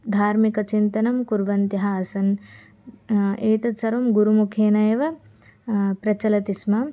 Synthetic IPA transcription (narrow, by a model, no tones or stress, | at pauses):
d̪ʱaːɾmikɐt͡ʃint̪ɐnɐmkuɾʋɐnt̪jɐɦɐɐsɐn | eːt̪ɐt̪sɐɾʋɐmɡuɾumukʰeːnɐjɐʋɐ | pɾɐt͡ʃɐlɐt̪ismɐ